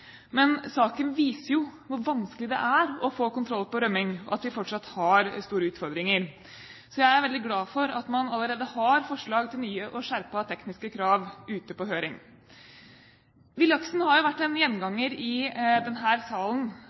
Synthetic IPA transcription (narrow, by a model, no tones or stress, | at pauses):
mɛnsɑːkənʋiːsəɾjʊʋʊɾʋɑnskəlɪd̪ɛ̰ʔæɾɔfoːkʊnt̪ʰɾɔlːpɔɾœmːɪŋɔ̰ʔɑt̪ʋɪfɔʈʂɑt̪ːhɑɾst̪uːɾəʉːt̪fɔɾd̪ɾɪŋəɾ | sɔjæɪæɾʋɛlɪɡlɑːfɔɾɑt̪mɑnɑlːəɾeːd̪əhɑɾfɔʂɭɑːɡt̪ʰɪlnyːəʔɔʂæɾpɑt̪ʰɛknɪskəkʰɾɑːʋʉːt̪əpɔɦøːɾɪŋ | ʋɪljɑksnhɑɾjʊʋæʈːɛnjɛnːɡɑŋːəɾɪd̪ɛnɦæːɾsɑːlən̩